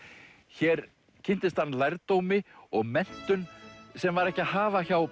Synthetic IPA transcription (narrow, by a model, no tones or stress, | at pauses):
çɛːɾ | cʰɪn̥t̪ɪst̪hanːlajɾt̪oːwmɪɔɣmɛn̥t̪ʏnsɛmvaɾɛhcɪaɦaːvaçaw